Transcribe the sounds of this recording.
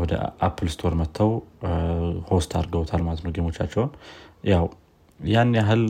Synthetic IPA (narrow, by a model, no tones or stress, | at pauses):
wɔd̪ə̰ʔapʰːɨlst̪ʰo̞ɾmət̪ʰːəw | ho̞st̪ʰaɾɡəwt̪ʰalmalət̪noɡemo̞t͡ʃːat͡ʃːɛwnjaw | janːeaɦɨl